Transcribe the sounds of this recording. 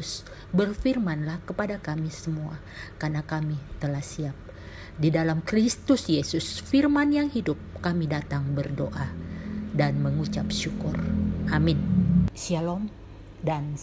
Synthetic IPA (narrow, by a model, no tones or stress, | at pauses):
s | bərfirmanlahkəpadakamisəmua̰ | karnakamit̪əlahsiap̚ | didalamkɾist̪ʊsjesʊsfirmanjaŋhidʊp̚kamidat̪aŋbərdoʔadanməŋut͡ʃap̚ʃukʊrʔamɪnsialɔm | dan